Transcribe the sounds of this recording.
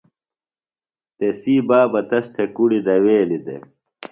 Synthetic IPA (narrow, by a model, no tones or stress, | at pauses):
t̪esiːbaːbɐt̪ɐst̪ʰekuɽid̪ɐweːlid̪ḛ